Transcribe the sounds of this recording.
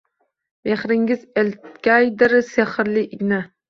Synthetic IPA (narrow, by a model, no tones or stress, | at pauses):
beχɾɪŋɪzelt̪kʲajd̪ɪɾseχɨɾlɪʔɪɡʲna